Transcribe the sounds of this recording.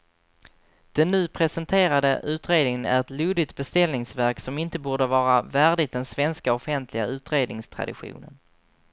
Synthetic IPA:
d̪̥ɛnːʉ̟ːpʰɾɛsɛnt̪ʰeːɾad̪ə̰ʔʉ̟ːt̪ɾeːd̪nɪŋənæ̰ɾɛt̪luːd̪ɪt̪̚bɛst̪ɛlnɪŋsvæɾksɔmɪnt̪əbuːɖəvɑːɾavæːɖɪt̪̚d̪ɛnsvɛnskaɔfɛnt̪ʰlɪɡa̰ʉ̟ːt̪ɾeːd̪nɪŋst̪ʰɾa̰d̪ɪ̰ɧṵːnə̰n

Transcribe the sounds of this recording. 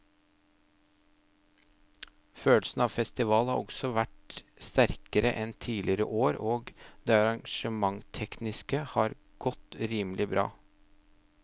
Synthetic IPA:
føːlsn̩ɑːʋfɛst̪ɪʋɑːlhɑ̰ɾɔ̰ɡsɔʋæʈ | st̪æɾkəɾə̰ʔɛnt̪ʰiːlʔɪɾə̰ʔoːɾoːɡd̪eːɑɾɑŋʃəmɑŋt̪ʰɛknɪskəhɑːɾ | ɡ̥ɔt̪ɾiːməlʔɪbɾɑ̰ː

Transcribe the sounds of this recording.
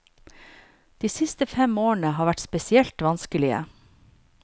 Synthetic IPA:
d̪̥iːsɪst̪əfɛmoːəɳ̩əhɑːʋæʈspɛsɪɛlt̪ʋɑnskəlɪə̰

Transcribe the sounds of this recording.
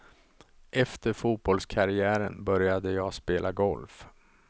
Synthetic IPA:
ʔɛft̪əɾfuːt̪̚bɔlskʰaɾɪæːɾənbœɾjad̪əjɑːspeːlʔaɡɔlf

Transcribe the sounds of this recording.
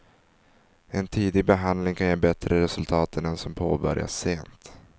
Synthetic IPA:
ɛnt̪ʰiːd̪ɪɡ̚bɛɦand̪lɪŋkʰanjeːbɛt̪ɾʔəɾɛsɵlt̪ʰɑːt̪ʰənɛnsɔmpʰoːbœ̰ɾja̰seːnt̪

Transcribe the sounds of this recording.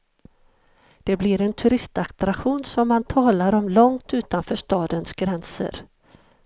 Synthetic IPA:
d̪̥ɛblɪɾɛnt̪ʰɵɾɪst̪akt̪ɾakɧuːnsɔmːant̪ʰɑːlaɾɔmlɔŋt̪ʉ̟ːt̪anfœːʂt̪ɑːd̪ənsɡɾɛnsə̰ɾ

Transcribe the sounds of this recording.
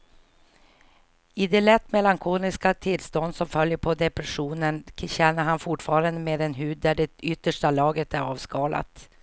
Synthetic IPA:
ɪd̪ɛlɛt̪ːmɛlaŋkʰuːlɪskat̪ʰɪlst̪ɔnd̪sɔmfœljəɾpʰɔd̪ɛpɾɛɧuːnənɕɛnːəɾhanfʊʈfɑːɾand̪əmeːd̪ɛnɦʉːd̪̚ːæɖɛʏt̪ːəʂʈalɑːɡət̪æɾɑːvskɑːla̰t̪

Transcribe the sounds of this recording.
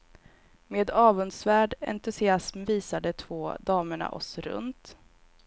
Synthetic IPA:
meːd̪ɑːvɵnsvæːɖɛ̰nt̪ɵsɪasmviːsad̪ət̪ʰvoːd̪ɑːməɳa̰ʔɔ̰sɾɵ̰nt̪

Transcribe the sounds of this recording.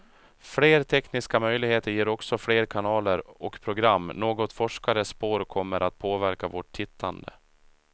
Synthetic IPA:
fleːɾt̪ʰɛknɪskamœjlɪɡheːt̪əɾjeːɾɔksɔfɽeːɾkʰanɑːləɾɔkpʰɾʊɡɾamːnoːɡɔt̪fɔʂkaɾəspoːɾkʰɔmːəɾʔat̪̚pʰoːvæɾkavɔʈʰtʰːɪt̪ʰːand̪ə̰

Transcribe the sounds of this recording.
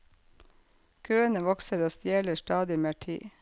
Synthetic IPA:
kʰøːənəʋɔksəɾoːst̪jeːləʃtɑːd̪ɪmeːʈʰḭː

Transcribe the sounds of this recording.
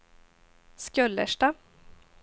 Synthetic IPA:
skœlːəʂʈa

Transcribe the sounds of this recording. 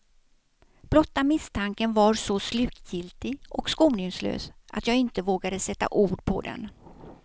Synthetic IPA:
b̥lɔt̪ːamɪst̪ʰaŋkənvaɾsɔslʉ̟ːkjɪlt̪ɪɡʔɔkskuːmnʏŋslø̰ːsʔat̪jɑːɡɪnt̪əvoːɡad̪əsɛt̪ːa̰ʔuːɖpʰɔ̰d̪ɛ̰n

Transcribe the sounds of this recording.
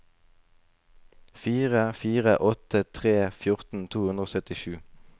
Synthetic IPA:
fiːʁəfiːʁəʔɔt̪ət̪ʰʁeːfjʊʁt̪n̩t̪ʰuːhʉnd̪ʁoːsœt̪ɪʃʉː

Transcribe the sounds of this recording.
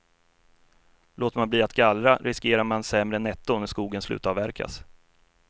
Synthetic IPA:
loːt̪manbliːat̪ɡalɾaɾʔɪskeːɾaɾmansɛmɾənɛt̪ːʊnæʂkuːɡənslʉ̟̰ːt̪avæɾkʰa̰s

